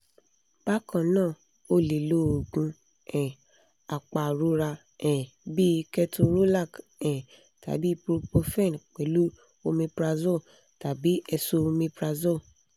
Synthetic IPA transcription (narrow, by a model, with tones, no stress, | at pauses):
b̥a˦kã˧˨nãː˦˨ | o˧˦le˨lo˦˨o˨ɡũ˧ | ɛ̃˨ | a˨k͡pa˨ɾu˨˦ɾa˧ | ɛ̃˨ | bi˦˧kɛ˧tu˧ɾo˦la˦˨kɛ̃˨ | ta̰˨˦bi˦pɾu˧po˧fɛ̃˦˨nk͡pɛ˨˦lu˦ | o˧mĩ˧pɾa˧zo˦˨ | ta˨bi˨˦ɛ˧so˧mĩ˧pɾa˧zo˦˨